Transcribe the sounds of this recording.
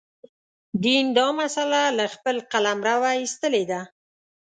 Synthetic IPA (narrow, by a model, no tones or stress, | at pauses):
d̪ind̪ɑmasalalaxpəlqalamɾawaist̪əled̪a